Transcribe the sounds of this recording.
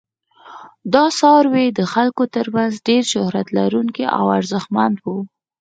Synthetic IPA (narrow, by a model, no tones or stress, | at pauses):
d̪ɑsɑɾwed̪əxalkot̪əɾmanzɖeɾʃʊhɾat̪laɾuŋkiʔa̰waɾzəxmand̪wu